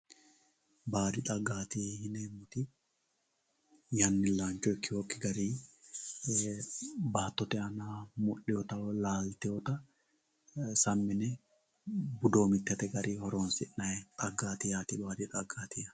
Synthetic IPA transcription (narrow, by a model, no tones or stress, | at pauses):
baːd̪ɪᶑ̪ʼɐɡːaːt̪iːhɪneːmːʊt̪ɪ | jɐnːɪlaːnt͡ʃɔɪkːɪwɔkːɪɡɐɾiː | baːt̪ːɔt̪ɛɐnaːmʊɗːɛjɔt̪ɐlaːlt̪ɛjɔt̪ɐ | sɐmːɪnɛ | bʊd̪o̞ːmɪt̪ːɛt̪ɛɡɐɾʔiːhɔɾoːnsɪʔnɐɛt̪ʼɐɡːaːt̪ɪjaːt̪ɪbbaːd̪ɪᶑ̪ʼɐɡːaːt̪ɪɐ